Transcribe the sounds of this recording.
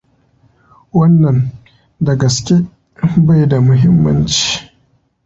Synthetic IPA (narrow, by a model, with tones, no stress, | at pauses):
wɐ˦nːɐ˨n | dɐ˨ɡɐ˨skʲe˦ | ba˦˨jda˨mʊ˨ɦɪ˦mːɐ˦nt͡ʃi̥ː˨